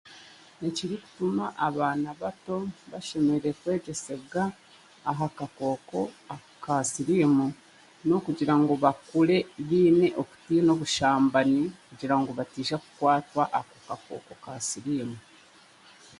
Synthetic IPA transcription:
neciɾiku̥tumaʔaβaːnaβato̞βaʃe̞meɾekwe̞ːɟe̞se̞ɡaː | ɦakako̞ːko̞a | kasiɾiːmu | no̞kuɟiɾaŋɡo̞βakule̞βiːne̞ʔoku̥tiːno̞βuʃaːmbanikuɟiɾaŋɡo̞βatiːʃakukwaːtwaʔakokako̰ːko̞kasiɾiːmu

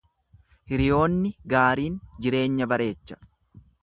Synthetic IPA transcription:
hɪɾɪjo̞ːnːɪɡaːɾiːnd͡ʒɪɾe̞ːɲːɐbɐɾʔe̞ːt͡ʃːɐ̥

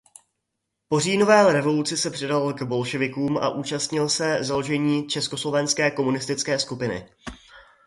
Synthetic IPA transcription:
po̞riːno̞vɛːɾɛvo̞lut͡sɪsɛpr̥ɛdaloɡbo̞lʃɛvɪkuːmʔa̰ʔuːt͡ʃast̪ɲɪlsɛzaloʒɛɲiːt͡ʃɛsko̞slo̞vɛnskɛːko̞munɪst̪ɪt͡skɛːskupɪnɪ̰

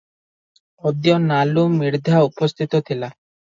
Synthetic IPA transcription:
ɔd̪jonalumːiɾd̪ʱaupost̪ʰit̪ot̪ʰila

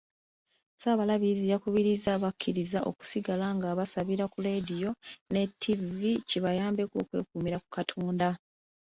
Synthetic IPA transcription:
saːβalaβizijakuβiɾizaβakʰːiɾizaʔo̞̰ku̥siɡalaŋɡaːβasaβiɾakule̞dijo̞ne̞tʰːiviciβajaːmbe̞ko̞̰ːkwe̞̰ːkuːmiɾaku̥katʰoːnda

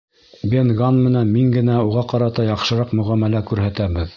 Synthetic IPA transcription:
bʲenɡanmɘ̆nænmiŋɡɘ̆næuʁɑqɑɾɑt̪ɑjɑqʃɤ̆ɾɑqmɵ̆ʁæmælækʉɾhæt̪æβɘð

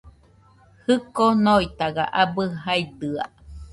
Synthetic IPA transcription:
hɨkonoit̪aɡa̰ʔabɯɦaid̪ɯa̰

